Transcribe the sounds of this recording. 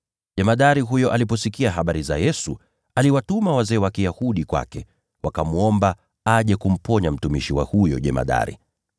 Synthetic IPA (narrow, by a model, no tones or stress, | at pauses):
ʄɛmaɗaɾiɦujɔʔalip̬ɔsikiaɦaɓaɾiza̰jɛsu | aliwatumawazɛːwakijahuɗikwa̰kɛ | wakamuɔmba | aʄɛkum̩pɔɲam̩tumiʃiwa̰hujɔ̰ʄɛma̰ɗa̰ɾḭ